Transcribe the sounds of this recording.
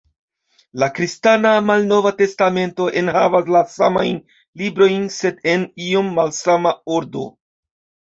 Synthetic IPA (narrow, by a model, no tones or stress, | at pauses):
lakɾistanamalno̞vate̞stame̞nto̞ʔe̞nɦavas̬lasama̰jn | libɾo̞jnse̞de̞nio̞mːalsamaoɾdo̞̰